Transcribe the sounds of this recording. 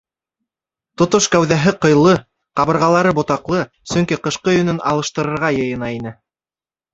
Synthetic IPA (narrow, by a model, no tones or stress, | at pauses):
t̪ŏt̪oʃkæwðæɦɘqɤ̆jlˠɤ | qɑβɤ̆ɾʁɑlˠɑɾɤbŏt̪ɑqlˠɤ | sɵ̆ŋkiqɤ̆ʃqɤjɵ̆nɵnɑ̰lˠɤ̆ʃt̪ɤ̆ɾɤ̆ɾʁɑjɤ̆jɤ̆nɑinɘ